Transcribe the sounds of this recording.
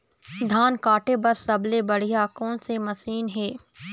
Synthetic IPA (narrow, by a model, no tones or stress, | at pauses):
d̪ʱaːnkaːʈebɐɾsɐblebɐɽ̤ijaːkɔ̃ːnsemɐsiːnɦeː